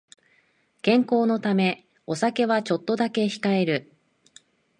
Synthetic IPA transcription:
kẽ̞ŋko̞ːno̞t̪ame̞ | o̞sake̞βat͡ɕo̞t̪ːo̞d̪ake̞çi̥kae̞ɾɯ̟

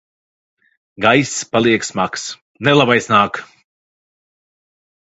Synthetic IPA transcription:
ɡajspalˠiɛksmaks | nɛlˠabajsnaːk

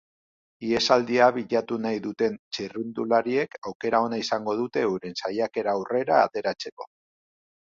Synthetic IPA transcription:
ie̞sald̪iaβiʎat̪unajðut̪e̞nt͡ʃirund̪ulaɾie̞kawke̞ɾao̞naisaŋɡo̞ð̞ut̪e̞uɾensajake̞ɾaːwre̞ɾa̰ːt̪e̞ɾat͡se̞ko̞̥

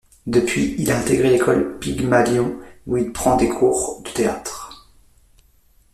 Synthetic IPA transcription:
d̪əpɥiilaɛ̃t̪eɡʁelekɔlpiɡmaljɔ̃uilpχɑ̃d̪ekʰuʁd̪̥ə̥t̪ea̰t̪χ

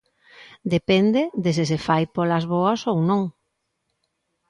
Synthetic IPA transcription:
d̪epɛnd̪ɪðɪsɪsefajpolazβoɐsownõŋ

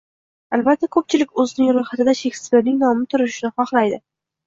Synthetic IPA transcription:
albat̪ʰːakʰɵp̚t͡ʃʰɪlɪkʲɵzɪnɪŋɾojχat̪ɪd̪aʃekspeɾnɪŋnɒmɪt̪ʰʊɾɪʃɪnɪχɒχlajd̪ɪ

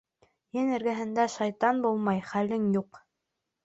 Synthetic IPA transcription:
jɘnɘ̆ɾɡæɦɘ̆nd̪æʃɑjt̪ɑnbulˠmɑjχælɘŋjuq

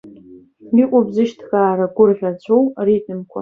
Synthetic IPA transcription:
ikʷʼabzɨʃtʰxaːɾaɡʷʊrʁʲat͡ɕʷʰowritʼɨmkʷʰa̰

